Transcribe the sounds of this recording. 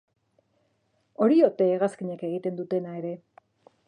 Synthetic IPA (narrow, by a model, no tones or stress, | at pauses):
o̞ɾio̞t̪e̞ːɣaskiɲeke̞ɣ̞it̪e̞nd̪ut̪e̞nae̞ɾe̞